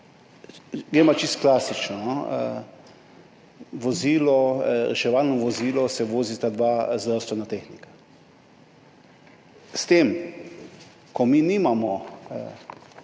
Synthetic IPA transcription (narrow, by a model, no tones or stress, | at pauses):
ɡɾemat͡ʃist̪klaːsit͡ʃnɔnɔə̰ | ʋɔziːlɔɾɛ̰ʃɛʋaːlnɔʋɔziːlɔsɛʋoːzit̪ad̪ʋazd̪ɾawst̪ʋɛnat̪exnikḁ | st̪em | kɔminimamɔ